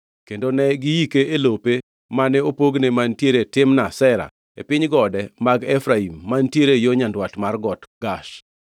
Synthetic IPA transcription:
kendonɛɡɪjikeʔelope | manɛopoɡnemantjeɾetɪmnasɛɾa̰ | epɪɲɡɔdɛmaɡɛfɾaimːantjeɾejoɲandwatmarɡɔtɡaʃ

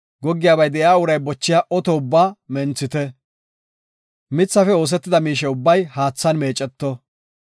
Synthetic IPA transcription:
ɡɔɡːɪjaːbɐjd̪ɛjaːʊɾɐjbɔt͡ʃːɪjaːʔɔt̪ɔʊbːaːmɛnt͡sːɪt̪ɛ | mɪt͡sːɐfɛo̞ːs̬ɛt̪ːɪd̪ɐmiːʃɛʊbːɐjhaːt͡sːɐnme̞ːt͡ʃʼːɛt̪ːɔ

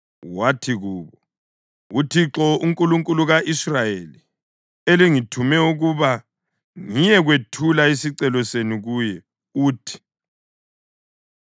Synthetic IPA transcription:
watʰiɣuːβɔ | utʰiǁɔuŋkʼuluŋkʼuluɣaʔisrajeli | eliŋitʰumɛuɣuβa | ŋijɛɣwetʰulaesiǀɛlɔseniɣuːjɛ | uːtʰi̥

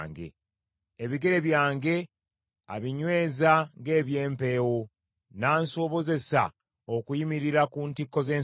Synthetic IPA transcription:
ŋɡe̞̰ | eβiɡe̞ɾe̞βjaːŋɡe̞ | a̰βiɲwe̞ːzaŋɡe̞ːβje̞ːmpe̞ːwo | naːnso̞βo̞ze̞sa̰ | okujimiɾiɾakuːntikːo̞ze̞ː

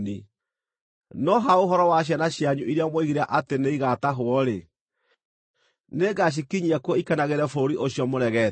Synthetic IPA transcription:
ni | nɔɦaoɦɔɾɔwaɕ̬janaɕjaɲuʔiɾeamoiɣiɾaʔateneiɣataɦoɔɾe | neɡaɕ̬ikiɲiakwɔikanaɣeɾɛfoɾiʔoɕjɔmoɾɛɣɛ

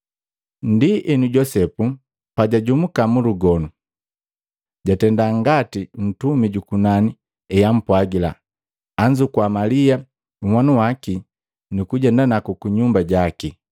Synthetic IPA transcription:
ndiʔɛnuɟɔsɛpu | paɟaɟumukamuluɡɔnu | ɟatɛndaŋɡatin̩tumiɟukunani | ɛjam̩pwaɡila̰ː | ɲd͡ʒukwamalia | uwanuwaki | nukuɟɛndanakukuɲumbaɟaki

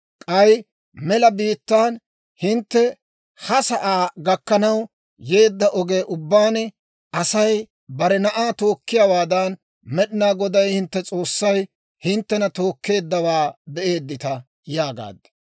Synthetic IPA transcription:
kʼɐj | mɛlɐbiːt̪ːaːn | hɪnt̪ːɛ | hɐsɐʔaːɡɐkːɐnɐw | je̞ːd̪ːɐʔɔɡeʔʊbːaːn | ɐsɐj | bɐɾɛnɐʔaːt̪o̞ːkːɪjaːwaːd̪ɐn | mɛɗɪnaːɡɔd̪ɐjhɪnt̪ːɛt͡sʼo̞ːsːɐj | hɪnt̪ːɛnɐt̪o̞ːkːe̞ːd̪ːɐwaːbɛʔe̞ːd̪ːɪt̪ɐ | jaːɡa̰ːd̪ːɐ̥

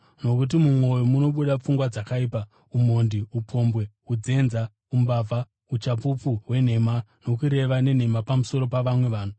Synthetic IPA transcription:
no̞kut̬imumwo̞jomuno̞ɓuɗap͡fuŋɡwad͡zakaiːpa | um̤o̞ndiupʰo̞mbwe̞ | ud͡ze̞nza | umbaːvʱa | ut͡ʃapupuɦwe̞n̤e̞mano̞kuɾe̞ʋane̞n̤e̞mapamuso̞ɾo̞paʋamwe̞ʋaːn̤u

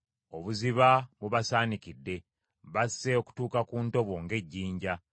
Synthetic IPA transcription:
o̞βuziβaβuβasaːnikidːe̞ | βasːeoku̥tuːkakuːnto̞βo̞ŋɡe̞ɟːiːɲɟa

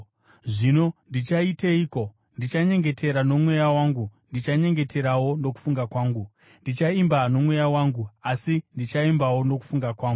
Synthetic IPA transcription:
ʐino̞ndit͡ʃaiteiːko̞ | ndit͡ʃaɲe̞ŋɡe̞te̞ɾano̞mwe̞jawaŋɡundit͡ʃaɲe̞ŋɡe̞te̞ɾawo̞no̞k̬u̥fuŋɡakwaːŋɡu | ndit͡ʃaimbano̞mwe̞jawaŋɡuasindit͡ʃaimbawo̞no̞ku̥fuŋɡakwaːŋɡu

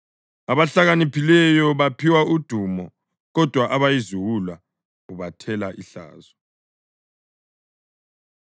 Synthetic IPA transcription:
aβaɬaɣanipʰilɛjɔβapʰiwaud̥ʱumɔ | ɣɔd̥ʱwaʔaβajizuwulwa | uβatʰɛlaʔiɬa̰ːzɔ

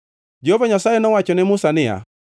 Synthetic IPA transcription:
d͡ʒehovaɲasajɛnɔwat͡ʃɔnɛmʊsanɪja̰

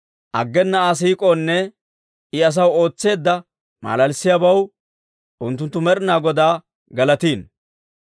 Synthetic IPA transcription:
ʔɐ̰ɡːɛnːɐaːs̬iːkʼonːɛ | ɪɐs̬ɐwoːt͡sːe̞ːd̪ːɐ | ma̰ːlɐlsːɪjabɐw | ʔʊnt̪ːʊnt̪ːʊmɛɾɪnaːɡɔd̪aː | ɡɐlɐt̪iːn

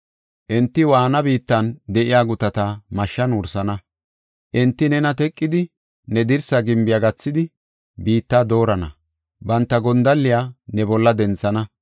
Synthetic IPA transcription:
ʔɛnt̪ːɪwaːnɐbiːt̪ːɐnd̪ɛʔɪjaːɡʊt̪ɐt̪ɐmɐʃːɐnʊɾsɐnɐ | ʔɛnt̪ːɪnɛnɐt̪ɛkʼːɪd̪ɪ | nɛd̪ɪɾsɐɡɪmbɪjaɡɐt͡sːɪd̪ɪ | biːt̪ːaːd̪o̞ːɾɐnɐ̰ | bɐnt̪ːɐɡɔnd̪ɐlːɪjaːnɛbɔlːɐd̪ɛnt͡sːɐnɐ

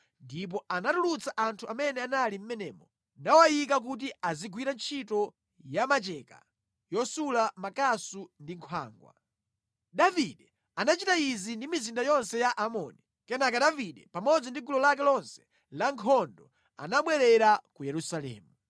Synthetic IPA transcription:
ndip̬ɔanatulut͡saʔantʰuamɛnɛanalim̩mɛnɛ̰ːmɔ | nawajikak̬ut̬iaziɡwiɾant͡ʃʰitɔ | jamat͡ʃɛka̰ | jɔsulamakasundiŋkʰwa̰ːŋɡwa̰ | daviɗɛ | anat͡ʃitaizindimizindajɔnsɛjaʔamɔːni | kɛnakaɗaviɗɛpamɔd͡zɔndiɡulɔlakɛlɔnsɛ̥ | laŋkʰɔndɔ | a̰naɓwɛɾɛɾakujɛɾusalɛ̰ːmu

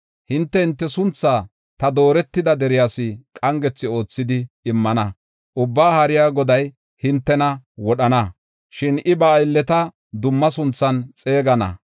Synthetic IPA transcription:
hɪnt̪ːɛɪnt̪ːɛsʊnt͡sːaː | t̪ɐd̪o̞ːɾɛt̪ːɪd̪ɐd̪ɛɾɪjaːsɪkʼɐŋɡɛt͡sːɪo̞ːt͡sːɪd̪ɪː | mːɐnɐ | ʔʊbːaːhɐɾɪjaːɡɔd̪ɐj | hɪnt̪ːɛnɐwɔɗɐnɐ | ʃɪnʔɪbɐːjlːɛt̪ɐ | d̪ʊmːɐsʊnt͡sːɐnt͡sʼe̞ːɡɐnɐ̰

